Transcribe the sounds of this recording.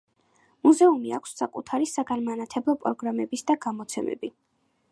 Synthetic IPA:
muzɛumia̰kʷʰsːakʼut̪ʰaɾisaɡanmanat̪ʰɛblˠɔpʼɾɔɡɾamɛbisd̪aɡamɔt̪sʰɛmɛ̰bi

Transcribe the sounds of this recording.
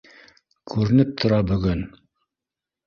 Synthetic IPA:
kʰʉɾɘ̆nɘp̚t̪ʰŏɾɑbɵ̆ɡɵn

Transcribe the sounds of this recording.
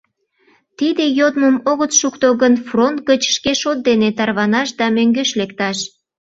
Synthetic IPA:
t̪id̪ejod̪məmoɣət̪ʃukt̪oɣənfront̪̚ɡət͡ɕʃkeʃot̪̚d̪enet̪ɑrβɑnɑʃd̪ɑmøŋɡeʃlekt̪ɑʃ

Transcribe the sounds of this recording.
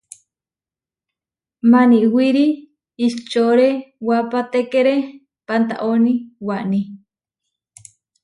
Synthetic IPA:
maniwiɾi | ist͡ʃoɾewapat̪ekeɾe | pant̪a̰ʔoniwaʔni

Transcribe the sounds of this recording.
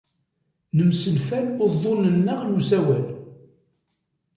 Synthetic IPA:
nəmsəlfælbəðˤːolənːəʁnuzæwæl

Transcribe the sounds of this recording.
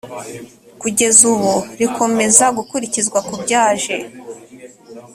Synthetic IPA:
kuɟe̞zuβuɾikʰo̞me̞zaɡukuɾicizɡwakubɟaːʒe̞

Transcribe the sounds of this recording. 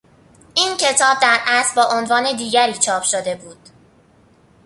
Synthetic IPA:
iːncʰe̞t̪ʰɒːb̚d̪æɾʔæsbɒːʔonvɒːne̞d̪iːɟæɾiːt͡ʃʰɒːpʰʃod̪e̞buːd̪̥

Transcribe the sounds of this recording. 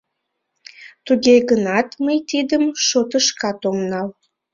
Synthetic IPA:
t̪uɣeɣənɑt̪məjt̪id̪əmʃot̪əʃkɑt̪omnɑl

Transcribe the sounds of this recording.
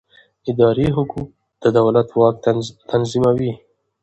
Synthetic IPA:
ɪd̪ɑɾiɦʊkuk̚ | d̪̥əd̪awlat̪wɑk̪̚t̪ʰanzimawi

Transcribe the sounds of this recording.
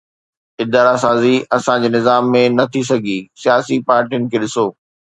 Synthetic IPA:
ɪd̪aːɾasaːziɐsãd͡ʑeːnɪzaːmːẽnɐt̪ʰis̬ɐɡʱisijaːsipaːɾʈijʊnɪ̆kʰeːɗɪsoː

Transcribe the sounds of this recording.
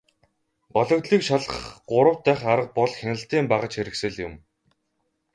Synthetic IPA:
ɢɔɮɞ̆kt̪ɮiːkʃaɮə̆χɢʊɾə̆w̥t̪ːæːχaɾə̆q̚pɔɮxʲenə̆ɬt̪iːmpaʁə̆t͡ɕxeɾɘ̆ksɘ̆ɮjʊm

